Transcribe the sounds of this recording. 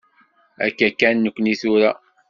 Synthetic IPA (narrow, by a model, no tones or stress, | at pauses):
æ̰kːækːænːəkʷːniθuɾa